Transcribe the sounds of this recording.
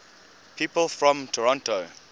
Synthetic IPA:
pʰiːpəlˠfɹɔ̃mtʰɔɹɔ̃nto

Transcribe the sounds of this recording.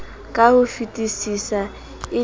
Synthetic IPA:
kʼahʊfitʼisisa | ɪ

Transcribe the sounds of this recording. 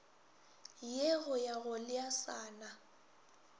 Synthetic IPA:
jeɣʊjaɣʊlɪasaːna

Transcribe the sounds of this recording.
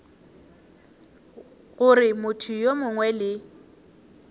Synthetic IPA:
ɣʊrɪmʊtʰʊjomʊŋwɛlɪ

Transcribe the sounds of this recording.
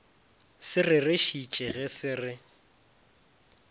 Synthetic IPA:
sɪrɪrɪʃit͡ʃʼɪɣɛsɪrɪ

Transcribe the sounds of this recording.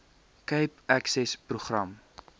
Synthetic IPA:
kəjpæksɛspruχrɐm

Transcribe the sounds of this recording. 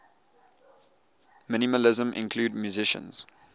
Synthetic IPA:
mɪ̃niməlɪzə̃mʔɪ̰̃nkʰluːdmjuzɪʃə̰̃nz̥

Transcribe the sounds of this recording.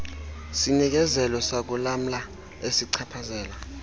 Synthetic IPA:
sinik̬ɛzɛlɔsak̬ulam̩la | esiǀʰapʰazɛːla

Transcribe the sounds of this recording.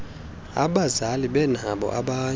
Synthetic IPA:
a̰ɓazaliɓɛn̤aɓɔ̰ʔaɓa

